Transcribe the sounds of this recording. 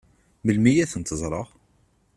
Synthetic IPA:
məlmijæθənt̪əzˤɾˤəʁ

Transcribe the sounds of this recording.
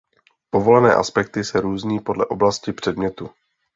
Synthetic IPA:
po̞vo̞lɛnɛːʔa̰spɛkt̪ɪsɛɾuːzɲiːpo̞dlɛʔo̞blascɪpr̥ɛdmɲɛt̪u

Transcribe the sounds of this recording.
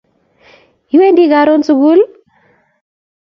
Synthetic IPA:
juwendiɡaɾɔnsuɡul

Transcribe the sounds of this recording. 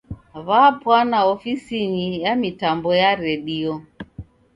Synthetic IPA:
βapwanaɔfisinijamitambɔjaɾɛɗiɔ

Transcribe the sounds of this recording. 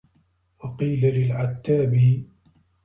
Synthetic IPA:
wɑqiːlalɪlʕat̪ːaːbi

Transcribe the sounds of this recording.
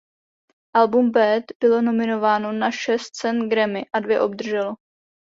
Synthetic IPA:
ʔalbumbɛt̪bɪlo̞no̞mɪno̞vaːno̞naʃɛst̪̚t͡sɛnɡɾɛmɪʔadvjɛʔo̞b̚d̪r̩ʒɛlo

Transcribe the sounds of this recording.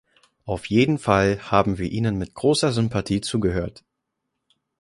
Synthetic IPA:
ʔaʊfjeːdn̩falhaːbm̩viːɐʔiːnənmɪt̚ɡ̥ʁoːsɐzʏmpʰatʰiːt͡suːɡəɦøːɐt

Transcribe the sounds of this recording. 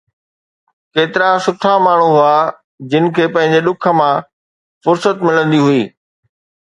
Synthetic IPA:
keːt̪ɪɾasʊt̪ʰamaːɳ̤uɦʊa | d͡ʑɪnɪ̆kʰeːpɐ̃ɦɪ̃ɲ̆d͡ʑeɗʊkʰə̆mã | fʊɾsət̪mɪlə̃nd̪iɦʊiː

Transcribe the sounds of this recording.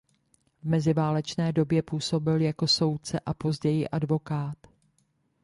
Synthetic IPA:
vmɛzɪvaːlɛt͡ʃnɛːdo̞bjɛpuːso̞bɪljako̞so̞wt̪̚t͡sɛʔapo̞zɟɛjɪʔadvo̞kaːt̪

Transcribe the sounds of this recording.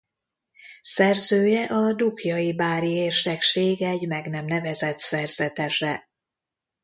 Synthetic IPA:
sɛrzøːjɛʔɒd̪ukjɒjibaːɾieːrʃɛkʃeːɡɛɟmɛɡnɛmnɛvɛzɛt̪sɛrz̥ɛt̪ɛʃɛ

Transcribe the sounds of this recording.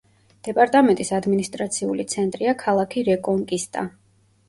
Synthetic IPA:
d̪̥ɛpʼaɾt̪ʼamɛnt̪ʼisad̪minist̪ʼɾat̪sʰiṵlit̪sʰɛnt̪ʼɾiakʰalˠakʰiɾɛkʼɔŋkʼist̪ʼa̰

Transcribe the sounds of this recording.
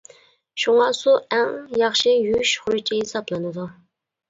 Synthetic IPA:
ʃuŋɑsuɛŋjɑχʃɪjyʃχʊɾut͡ʃʰiɦesɑplˠɨnɨd̪u

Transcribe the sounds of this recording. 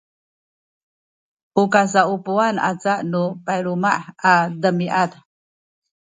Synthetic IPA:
ʔukas̬aupuana̰t͡saʔnupajɾumaʔadəmiʔat

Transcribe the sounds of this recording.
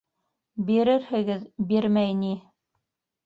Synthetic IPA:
biɾɘɾhɘ̆ɡɘðbiɾmæjni

